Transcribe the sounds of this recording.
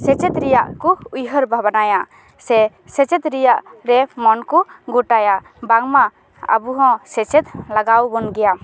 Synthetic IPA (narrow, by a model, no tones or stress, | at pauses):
sɛt͡ʃɛt̪ɾɛjaʔkuujɦəɾbʱabanaja | sɛ | sɛt͡ʃɛt̪ɾijaʔɾɛmɔnkuɡuʈaja | baŋma | a̰buɦɔ̃sɛt͡ʃɛt̪laɡawbɔnɡɛja